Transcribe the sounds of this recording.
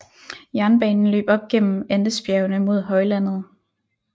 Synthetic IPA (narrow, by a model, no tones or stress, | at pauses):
jæɐnb̥ɛ̰ːnn̩lø̰ːb̥ɒ̽b̥̚ɡ̥en̰m̩end̥əsb̥jæʊnəmo̝ð̞̰ˠɦɒ̽ɪlæn̰ð̞̩ˠ